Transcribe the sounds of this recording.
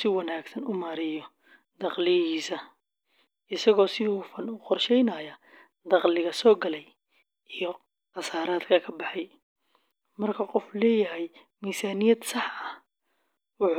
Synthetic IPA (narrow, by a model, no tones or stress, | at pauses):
sɪwɐnaːɡsɐnʊmaːɾɪjɔ | d̪ɑqlɪjɐhiːsɐ | ɪsɐɣɔːsɪʊfɐnʊqɔrʃɛjnɐːjɐ | d̪ɑqlɪɣɐsɔːɡɐlɛj | ʔijɔ | qɑsaːɾaːd̪kʰɐkʰɐbɑħɑj | mɐrkʰɐqɔflɛːjɐɦɛj | miːsaːnɪjɐd̪sɑħɐ | wʊħ